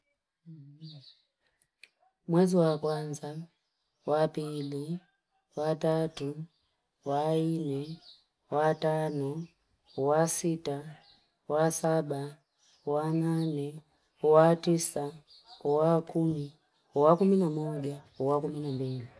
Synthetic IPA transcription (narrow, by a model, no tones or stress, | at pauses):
mwɛziwakwanza | wapili | watatu | wainɛ | watanɔ | wasita | wasaɓa | wananɛ | watisa | wakumi | wakuminamɔʄa | wakuminambili